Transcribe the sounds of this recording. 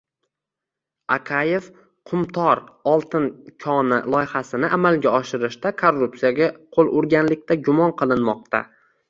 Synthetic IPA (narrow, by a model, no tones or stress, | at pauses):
akʰaje̞f | qʰʊmt̪ʰɒɾɒlˠt̪ɪnkʲʰɒnɪ̰lˠɒjɪhasɪnɪʔamalɡʲaɒʃɪɾɪʃt̪akʰorːupsijaɡʲaqʰolˠʔʊɾɡʲanlɪkʲt̪ʰaɡʲʊmɒnqʰɨlˠɪnmɒq̚t̪a̰